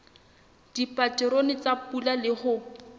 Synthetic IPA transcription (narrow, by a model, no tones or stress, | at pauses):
d̥ipʼatɪɾonɪt͡sapulalɪhʊ